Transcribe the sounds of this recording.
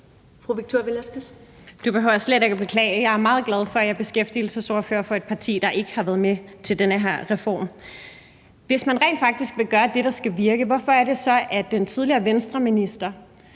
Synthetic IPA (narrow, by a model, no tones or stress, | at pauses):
fʁuʋiɡ̥̚t͡sʰoelæsɡ̥əs | d̥ub̥eɦø̰ʊ̰sleɾe̝ɡ̥æb̥e̝kʰlɛ̰ːɪəjɑ̈ɪæɐmɑ̈ːð̩ˠɡ̥lɛð̞ˠfɒ̽æjɑ̈ɪb̥e̝sɡ̥efd̥ḭːl̩səso̝ɐfø̰ːɐfɒ̽e̝d̥̚pʰɑ̈t͡sʰḭːd̥ɑ̈ʔe̝ɡ̥əhɑ̈ʋæːɐð̞̩ˠmet͡sʰe̝ldenəɦæɐ̰ʁɛfɒ̰ːm | ʋe̝smænʁɛ̰nd̥fɑ̈ɡ̥̚d̥isɡ̥ʋe̝ɡ̥ɶːɐd̥e̝ɾɑ̈sɡ̥æʋiɐɡ̥əʋɒfɒ̽æɐɾ̥e̝sɒ̽ʔæd̥ent͡sʰið̞ˠliɐːʋensd̥ʁɐminisd̥ɐ